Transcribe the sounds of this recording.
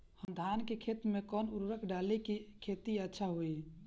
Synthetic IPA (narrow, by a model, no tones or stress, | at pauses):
həmd̪ʱankekʰet̪mekɔːnuɾɾəkʰɖalekikʰet̪iətːʃʰaɦoi